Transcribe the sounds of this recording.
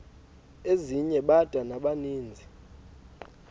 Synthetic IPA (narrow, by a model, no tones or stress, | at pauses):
eziɲɛɓad̥ʼʱanaɓaniːnd͡zʱi